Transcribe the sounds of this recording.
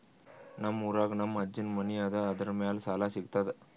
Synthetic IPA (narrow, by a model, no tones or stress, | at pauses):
nɐmuɾaːɡnɐmɐd͡ʒːinmɐniɐd̪ɐɐd̪ɐɾɐmɐjaːlɐsaːlaːsiɡt̪ad̪e